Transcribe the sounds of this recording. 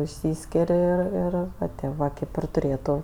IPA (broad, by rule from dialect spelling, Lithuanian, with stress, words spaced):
ɪʃʲˈsʲiːsʲkʲɪrʲ ɪr ˈɪr ˈʋɐ tʲɪ ˈʋɐ ˈkʲeːp ɪr tʊˈrʲeːtʊ